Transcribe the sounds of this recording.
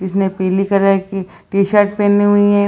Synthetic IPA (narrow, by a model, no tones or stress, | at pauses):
d͡ʒɪsnepeːlikɐɾaki | ʈiːʃɐːɾʈ̚peːnĩɦʊiɦɛ̃